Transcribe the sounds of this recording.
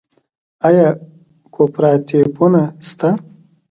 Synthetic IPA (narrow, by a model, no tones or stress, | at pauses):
ajaː | kʰopɾaːt̪epunast̪a